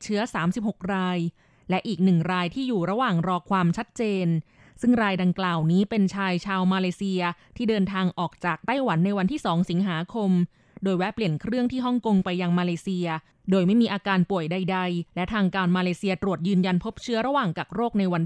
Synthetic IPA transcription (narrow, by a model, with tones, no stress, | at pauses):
t͡ɕʰɯ˦˥ɐsaː˩˦msi˨˩p̚ho˨˩k̚ɾaː˧j | lɛ˦˥ʔiː˨˩k̚nɯ˨˩ŋɾaː˧jt̪ʰiː˥˩juː˨˩ɾa˧waː˨˩ŋɾɔː˧kʰwaː˧mt͡ɕʰa˦˥t̪̚t͡ɕeː˧n | sɯ˥˩ŋɾaː˧jda˧ŋklaː˨˩wniː˦˥pe˧nt͡ɕʰaː˧jt͡ɕʰaː˧wmaː˧leː˧si˧ɐt̪ʰiː˥˩dɤː˧nt̪ʰaː˧ŋʔɔː˨˩k̚t͡ɕaː˨˩k̚t̪a˥˩jwa˩˦nːa˧jwa˧nt̪ʰiː˥˩sɔː˩˦ŋsi˩˦ŋɦaː˩˦kʰo˧m | doː˧jwɛ˦˥pli˨˩ənkʰɾɯ˥˩əŋt̪ʰiː˥˩ɦɔ˥˩ŋko˧ŋpa˧jːa˧ŋmaː˧leː˧si˧ɐ | doː˧jma˥˩jmiː˧ʔaː˧kaː˧npu˨˩əjda˧jda˧jlɛ˦˥t̪ʰaː˧ŋkaː˧nmaː˧leː˧siː˧ɐt̪ɾu˨˩ət̪̚jɯː˧nja˧npʰo˦˥p̚t͡ɕʰɯ˦˥ɐɾa˧waː˨˩ŋkaː˨˩k̚ɾoː˥˩k̚na˧jwa˧n